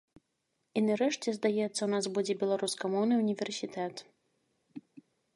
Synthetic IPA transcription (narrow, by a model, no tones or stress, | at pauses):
inaɾɛʂt͡sʲɛzd̪ajɛt̪sːɐwnasbud͡zʲɛbʲɛlˠaɾuskamɔwnɨunʲivʲɛrsʲit̪ɛt̪